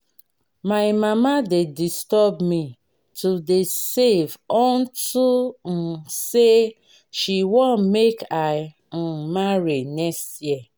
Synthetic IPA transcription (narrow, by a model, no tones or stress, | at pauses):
maɪmamadedistɔbmi | tʰudesevɔn̩tum̩se | ʃiwõnmeka | n̩maɾinɛstɛ